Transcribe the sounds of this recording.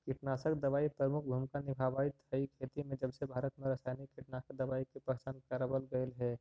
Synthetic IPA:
kɪʈnaːsəkd̪ɐʋaːipɾəmʊkʰbʱumkanɪbʱaːʋaːit̪əikʰeːt̪imẽd͡ʒɐbsebʱaːɾət̪mẽɾɐsaːjnikːiʈnasəd̪əʋaːikipəkt͡ʃaːnkaɾabəlɡəelɦɛː

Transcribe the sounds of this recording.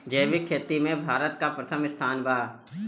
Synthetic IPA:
d͡ʒeːʋɪkʰːeːt̪imẽbʱaːɾət̪kapɾət̪ʰəmɪst̪ʰaːnbaː

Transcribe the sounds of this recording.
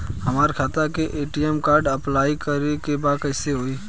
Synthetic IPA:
hɐmaːɾkʰaːt̪akeʔeːʈiɛmkaːɾɖɐplaːikəɾekebaːkɛːseɦoːiː

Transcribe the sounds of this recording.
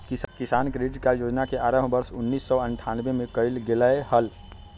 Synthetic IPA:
kkɪsaːnkɾeɖʈkajod͡ʒnakeʔaɾəmbəɾsʊnːiːsːɔəɳʈʰanbemẽkəɪlɡeləehəl

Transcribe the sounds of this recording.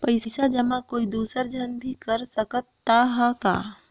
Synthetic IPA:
pɐɪsɪsad͡ʒɐmãkoːid̪uːsəɾd͡ʒʱɐnbʱikɐɾsɐkət̪ːaɦaka̰ː

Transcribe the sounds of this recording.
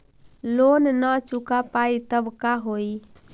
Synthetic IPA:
lonnət͡ʃukapait̪əbkaɦoi

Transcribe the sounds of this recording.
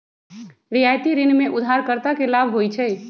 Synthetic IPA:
ɾijajt̪iɾɪnmeʔud̪ʱːaɾkəɾt̪akelabʱɦojt͡ʃʰɛ

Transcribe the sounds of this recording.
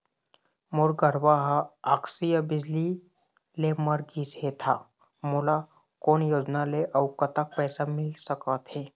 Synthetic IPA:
moɾɡəɾbaɦaːksijəbɪd͡ʒli | leməɾɡiːsɦet̪ʰa | mola | koːnjoːd͡ʒnaleʔəwkət̪ak̚pɛːsamɪlsəkət̪ɦeː

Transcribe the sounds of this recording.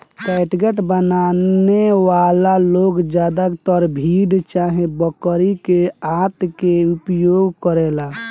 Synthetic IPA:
kɛʈɡeʈbənaneʋalaloɡd͡ʒjad̪akt̪ɔɾbʱiɖt͡ʃaɦẽbəkəɾikeat̪keupjoɡkəɾɛla

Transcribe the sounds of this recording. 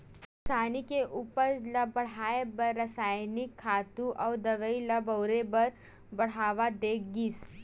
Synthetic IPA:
sanikeʔupəɾləbəɽ̤aebəɾːəsajnikʰːat̪uʔawd̪əʋəiləbəwɾebəɾ | bəɽ̤aʋad̪ekɡiːs

